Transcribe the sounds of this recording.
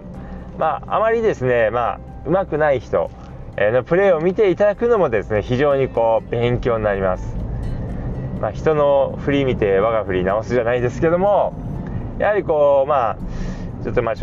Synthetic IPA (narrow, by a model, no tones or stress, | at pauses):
maa̰maɾʲid̪e̞sɨne̞ma̰ | ɯ̟makɯ̟naiçi̥t̪o̞̰ | enopɯ̟ɾe̞ːo̞mʲit̪e̞it̪ad̪akɯ̟no̞mo̞d̪e̞sɨne̞çiʑo̞ːɲ̟iko̞ːbẽ̞ŋkʲo̞ːɲnaɾʲimasɨ̥ | maçi̥t̪o̞no̞ɸɯ̟ɾʲimʲit̪e̞βaɡaɸɯ̟ɾʲinao̞sɨʑanaid̪e̞sɨ̥ke̞d̪o̞mo̞ | ja̰haɾʲiko̞ːma | t͡ɕo̞t̪ːoma